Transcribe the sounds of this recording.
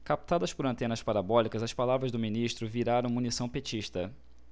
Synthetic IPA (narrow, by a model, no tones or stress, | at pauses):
kap̚t̪ad̪ɐspʊɾɐ̃nt̪ẽnɐspaɾabɔlikɐzɐspalavɾɐzd̪ʊminiʃt̪ɾʊviɾaɾɐ̃w̃munisɐ̃w̃pet͡ʃiʃt̪ɐ